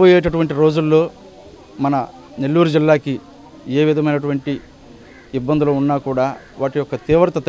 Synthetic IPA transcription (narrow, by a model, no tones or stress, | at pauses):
bojeːʈɐʈuʋɐɳʈiɾo̞ːd͡ʒulːo̞ː | mɐnɐ | ne̞lːuːɾud͡ʒilːaːki | e̞ːʋid̪ʱɐmɐjnɐʈuʋɐɳʈi | ibːɐnd̪ulounːaːkuːɽaːʋaːʈijɔkɐt̪iːʋɐɾɐt̪ɐt̪